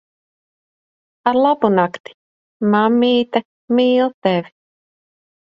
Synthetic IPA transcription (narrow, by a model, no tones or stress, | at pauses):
aɾlˠabunakt̪i̥ | mamːiːt̪a | miːlˠt̪ɛvʲi